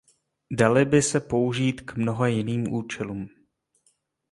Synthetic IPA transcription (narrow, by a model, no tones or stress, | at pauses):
dalɪbɪsɛpo̞uʒiːt̪kmno̞ɦojɪniːmʔuːt͡ʃɛluːm